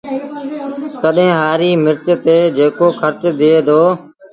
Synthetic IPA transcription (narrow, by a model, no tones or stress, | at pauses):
t̪əɗɦẽːɦaːɾiːmɪɾt͡ʃt̪eːd͡ʒeːkoːxʰəɾt͡ʃd̪ɪeːd̪ʰoː